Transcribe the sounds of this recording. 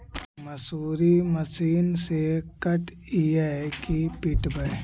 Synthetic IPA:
məsuːɾiməsiːnsekəʈ | ijəkipɪʈbə

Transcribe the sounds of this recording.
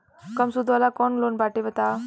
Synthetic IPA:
kəmsud̪ʱʋalakɔnlonbaʈebət̪a

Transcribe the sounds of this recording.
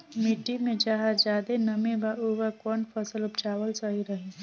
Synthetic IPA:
mɪʈimẽd͡ʒaɦad͡ʒaːd̪enəmẽbauʋakɔːnpʰəsəlʊpt͡ʃaːʋəlsəɦiɾəɦĩ

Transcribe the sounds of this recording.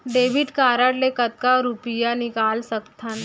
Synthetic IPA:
ɖeːʋɪɖkaːɾəɽlekɐt̪̚kaɾupijanɪkaːlsɐkt̪ʰan

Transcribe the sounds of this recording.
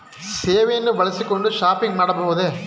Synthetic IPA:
seːʋɐjɐnːɯʋɐɭɐsikːɔɳɖɯʂaːpɪŋɡnaːɽɐpoːʋɐðe

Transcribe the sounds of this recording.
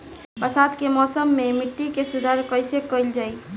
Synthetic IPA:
pəsaːd̪kemɔːsəmːẽmɪʈːikesʊd̪ʱaːɾkəɪsekəɪld͡ʒaːi

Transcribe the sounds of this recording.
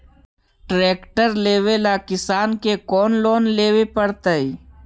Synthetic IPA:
ʈɾeːkʈəɾleːwelakɪsaːnkekɔːnloːnleːwepəɽt̪əiː

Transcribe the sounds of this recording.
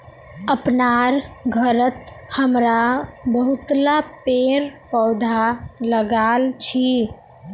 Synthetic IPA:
əpnaɾɡʱəɾət̪ | həmɾabəɦut̪lapeɾpəːd̪ʱaləɡalt͡ʃʰi

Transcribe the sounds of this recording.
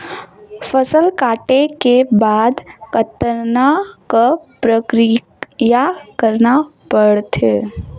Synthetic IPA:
fəsəlkaːʈekebaːd̪kət̪əɾnakapɾəkɾi | jakəɾnapəɽt̪ʰe

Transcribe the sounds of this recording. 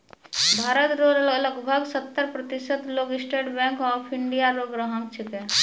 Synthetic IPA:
bʱaːɾət̪ɾod̪ələɡbʱəɡsət̪ːəɾpɾət̪ɪsət̪loːɡɪsʈeːɖbɛ̃ːŋkɔːpʰɪɳɖijaɾoːɡɾəɦəmt͡ʃʰɪkɛ

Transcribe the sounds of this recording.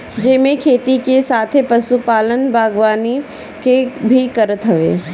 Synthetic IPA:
d͡ʒɪːmẽkʰeːt̪ikesaːt̪ʰepɐsupaːlənbʱaːɡʋaːni | kebʱikɐɾət̪ɦɐʋḛː

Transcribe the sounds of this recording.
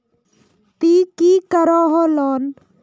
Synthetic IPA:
t̪iːkiːkəɾɔːɦoːlɔːn

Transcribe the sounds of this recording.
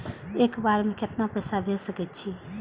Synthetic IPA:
ekbaɾmeket̪napəjsabʱelsəkɛt̪t͡ʃʰi

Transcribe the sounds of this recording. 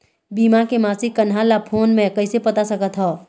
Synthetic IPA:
bimakemasikənɦalapʰonmekəɪsepət̪asəkət̪ɦɔ

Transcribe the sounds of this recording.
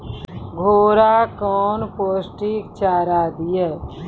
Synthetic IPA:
ɡʱoːɾaːkɔːnpoːsʈikt͡ʃaːɾaːd̪ɪjeː

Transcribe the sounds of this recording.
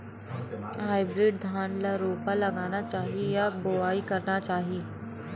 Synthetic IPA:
ɦajbɾiɖ̚d̪ʱanlaɾopaləɡanat͡ʃaːɦijaboaiːkəɾɳat͡ʃaːɦi

